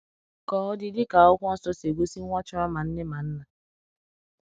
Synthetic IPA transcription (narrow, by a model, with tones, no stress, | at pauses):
kɔː˨ɔ˦dɪ˦dɪ˦ka˨ɔ˦k̩ʷ˦sɔ˦se˨ɡʷo˦si˦a˦t͡ʃʊ˦ɾɔ˦ma˨n̩˦ne˦ma˨n̩˦na˨